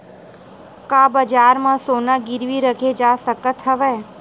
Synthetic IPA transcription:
kabəd͡ʒaːɾmãsoːnaɡɪɾʋiɾəkʰed͡ʒasəkət̪ɦəʋe

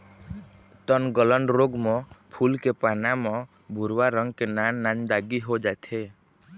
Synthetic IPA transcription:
t̪ɔnɡɔləɳɖɾoɡmɔ̃pʰulkepanamɔ̃ | bʱuɾwaɾɔŋɡkenanːand̪aɡiɦod͡ʒajt̪ʰe

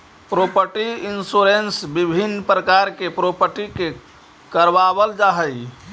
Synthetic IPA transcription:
pɾopəɾʈiinsuɾensbibʱinːpɾəkaɾkepɾopəɾʈike | kəɾbabəld͡ʒaɦəj

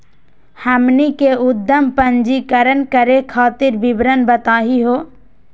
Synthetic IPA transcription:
həmnikeʊd̪ʱːəmpənd͡ʒikəɾənkəɾekʰaːt̪ɪɾbɪbɾənbət̪aːɦiɦoː

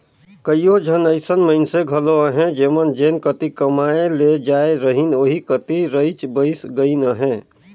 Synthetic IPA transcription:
kəiod͡ʒʱənəɪsənməɪnseɡʱəloəɦɛ̃d͡ʒeːmənd͡ʒeːnkət̪ikəmaeled͡ʒaeɾəɦinoːɦikət̪iɾəɪt͡ʃbəɪsɡəinəɦɛ̃ː

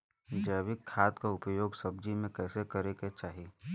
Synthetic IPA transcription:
d͡ʒəːʋɪkʰːaːt̪kaʊpjoːɡsɐb̚d͡ʒimẽkɛːsekɐɾeket͡ʃaːɦi

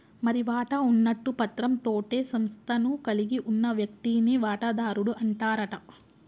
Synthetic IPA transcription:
mɐɾiʋaːʈɐunːɐʈːupɐt̪ɾɐmt̪oːʈe̞ːsɐmst̪ʰɐnukɐliɡiʔunːɐʋjɐk̚t̪iːniʋaːʈɐd̪aːɾuɽuʔɐɳʈaːɾɐʈɐ

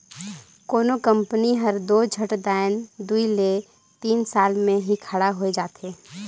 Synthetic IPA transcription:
koːnokə̃mpniɦəɾd̪oːd͡ʒʱəʈd̪aːɪnd̪uile | t̪iːnsaːlmẽɦikʰəɽaɦoed͡ʒaːt̪ʰeː

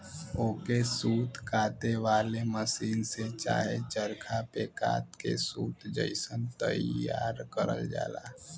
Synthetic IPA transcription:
oːkesuːt̪kʰaːt̪eʋaːleməsiːnset͡ʃa̰ːɦet͡ʃəɾkʰapeka̰ːt̪kḛsuːt̪d͡ʒə̰ɪsənt̪əjaːɾkəɾə̰ld͡ʒa̰ːlaː

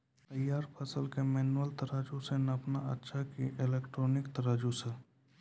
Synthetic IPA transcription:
t̪ɐjːaːɾpʰɐsəlkemɛːnwəlt̪ɐɾaːd͡ʒusenɐpnaɐ̰tːʃʰakiʔɪleːkʈɾoːnɪkt̪ɐɾaːd͡ʒuse

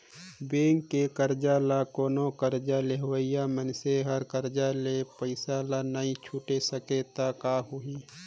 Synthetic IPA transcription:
beːŋkːekəɾd͡ʒaːlakoːnokəɾd͡ʒaleɦwəɪjamənseɦəɾkəɾd͡ʒalepəɪsalanaĩt͡ʃʰuʈesəket̪akaːɦʊi

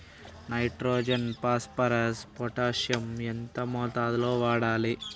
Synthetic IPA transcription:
nɐjʈɾoːd͡ʒɐnpaːspɐɾɐspɔʈaːʂjɐment̪ɐmɔːt̪aːd̪uloːʋaːɽaːli

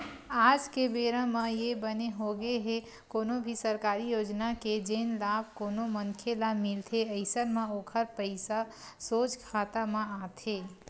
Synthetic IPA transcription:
aːd͡ʒkebeːɾəmẽjebəneɦoɡeɦe | koːnobʱisəɾkaːɾijoːd͡ʒnaked͡ʒenlab̚ʱkoːnoməŋkʰelamɪlt̪ʰeəɪsəɾmẽoːkʰəɾpəɪsa | soːt͡ʃkʰaːt̪amẽaːt̪ʰeː

